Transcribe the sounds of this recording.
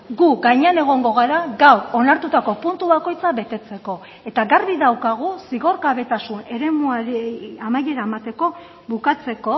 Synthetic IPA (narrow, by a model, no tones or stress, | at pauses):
ɡuɡaɲe̞ane̞ɣ̞o̞ŋɡo̞ɣ̞aɾaɡawɾo̞naɾt̪ut̪ako̞punt̪uβako̞jt͡saβe̞t̪e̞t͡se̞ko̞ | e̞t̪aɣaɾβiðawkaɣ̞usiɣo̞ɾkaβe̞t̪asune̞ɾe̞muaɾamaje̞ɾaemat̪e̞ko̞ | βukat͡se̞ko̞